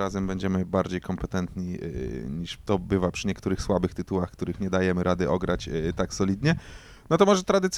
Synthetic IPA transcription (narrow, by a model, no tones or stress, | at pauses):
azɛmbɛɲd͡ʑɛmɘbaɾd͡ʑejkɔmpɛt̪ɛnt̪ɲiɲiʂt̪ɔbɘvapʂɘɲɛkt̪uɾɘxswabɘxt̪ɘt̪uwaxkt̪uɾɘxɲɛd̪ajɛmɘɾʔad̪ɘʔɔɡɾat͡ɕt̪aksɔlʲid̪ɲɛ | nɔt̪ɔmɔʐɛt̪ɾad̪ɘt̪sʲ